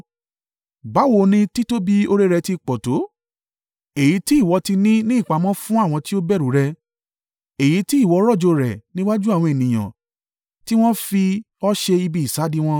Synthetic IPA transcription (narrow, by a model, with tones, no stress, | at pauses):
ba˨˦wo˦˧˨nĩ˧ti˦to˦bi˦o˧ɾe˦ɾɛ˧ti˧k͡pɔ˨to˨˦ | e˨ji˨˦ti˦i˦˨wɔ˧ti˧nĩ˦nĩ˦˨k͡pa˨˧˦mɔ̃˦fũ˦a˦˨w̃ɔ̃˧ti˦o˦bɛ˦˨ɾu˨˦ɾɛ˧ | e˨ji˨˦ti˦i˦˨wɔ˨˧˦ɾɔ˦˨d͡ʒo˧ɾɛ˨nĩ˦wa˦d͡ʒu˦a˦˨w̃ɔ̃˧e˨nĩ˨j̃ã̰˨ | ti˦w̃ɔ̃˦fi˧ | ɔ˦ʃe˧i˧bi˧i˨sa˨˦di˦w̃ɔ̃˧